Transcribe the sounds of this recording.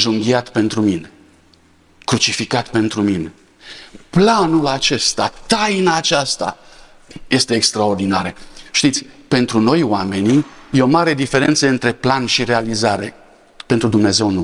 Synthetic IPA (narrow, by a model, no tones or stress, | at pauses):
ʒuŋɡiat̪pe̞nt̪ɾumine̞ | kɾut͡ʃifikat̪pe̞nt̪ɾumine̞ | planulat͡ʃe̞st̪at̪ajnaːt͡ʃast̪a̰ | je̞st̪e̞ːkst̪ɾao̞rd̪inaɾeʃt̪it̪sʲpe̞nt̪ɾuno̞jwame̞nijeo̞maɾe̞d̪ife̞ɾe̞nt̪səɨnt̪ɾe̞planʃiɾe̞alizaɾe̞ | pent̪ɾud̪umne̞ze̞wnu